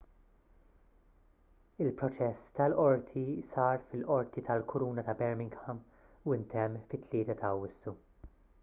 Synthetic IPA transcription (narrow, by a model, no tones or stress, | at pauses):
ɪlpɾɔt͡ʃɛsːt̪ɐlʔɔɾt̪ʰisɐːɾfɪlʔɔɾt̪it̪ʰɐlkʰʊɾuːnɐt̪ɐbɛɾmɪŋɡhɐm | uɪnt̪ɛmːfɪt̪ːlɪːt̪ɐt̪ʰɐwːɪsːu